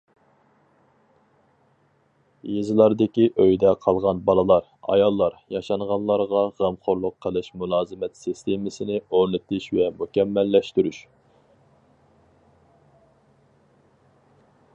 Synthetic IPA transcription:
jezɨlˠɑɾd̪ɪkʲiʔøjd̪ɛqʰɑlˠʁɑnbɑlˠɨlˠɑɾ | ɑ̰jɑlˠːɑɾjɑʃɑɴʁɑnlˠɑɾʁɑʁæmχoɾlˠʊqʰːəlˠɨʃmulˠɑːzɨmɛt̪sist̪emɪsɪnɪoɾnɨt̪ɪʃvɛmukʲɛmːɛlːɛʃt̪yɾyʃ

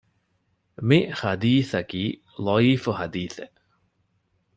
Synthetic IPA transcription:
mihɐd̪iːθɐkiː | lɔiːfuhɐd̪iːθe

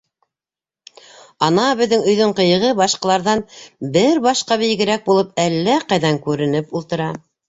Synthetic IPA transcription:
ɑnɑbɘ̆ðːɘŋɵ̆jðɵɴqɤ̆jɤ̆ʁɤbɑʃqɑlˠɑɾðɑnbɘɾbɑʃqɑβĭj̆ɡɘ̆ɾæk̚bulˠɤp̚ælːæqɑjðɑŋkʉɾɘ̆nɘpulˠt̪ɤ̆ɾɑ

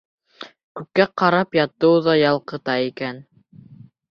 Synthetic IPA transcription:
kʉkːæqɑɾɑpjɑt̪ːɤ̆wðɑjɑlˠqɤ̆t̪ɑikæn

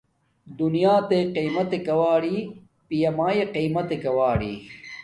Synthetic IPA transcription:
d̪unijaːt̪eqiːmɐt̪ekɐwaːɽiː | pijɐmaːjeqiːmɐt̪ekɐwaːɽḭː

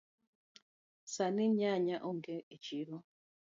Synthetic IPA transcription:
saniɲaɲaʔoŋɡeit͡ʃiɾo

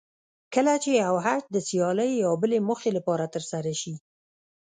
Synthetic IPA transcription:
kəlat͡ʃeawɦat̪̚d̪əsjɑləjːawbəlemʊxelapɑɾat̪əɾsaɾaʃi

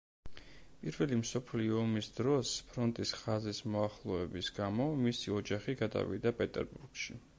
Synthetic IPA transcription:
pʼiɾvɛlimsɔpʰliɔːmisd̪ɾɔspʰɾɔnt̪ʼisχazismɔaχlˠɔɛbisɡamɔmisiɔd͡ʒaχiɡad̪a̰vḭd̪apʼɛt̪ʼɛ̰ɾbuɾɡ̥ʃi

